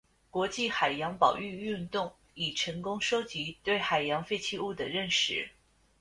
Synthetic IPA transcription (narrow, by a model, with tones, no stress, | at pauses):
kwɔ˧˥t͡ɕi˥˩xa˨˩ɪjɑ˧˥ŋpɑ˨˩ʊy˥˧y˥˧nt̪ʊ˥˩ŋ | i˨˩ʈ͡ʂʰɤ˧˥ŋkʊ˥ŋʂo˥ʊt͡ɕi˧˥t̪we˥˩ɪxa˨˩ɪjɑ˧˥ŋfe˥˧ɪt͡ɕʰi˥˧u˥˩d̪ə˩ɻə˥˩nʂɻ̩˥˩˦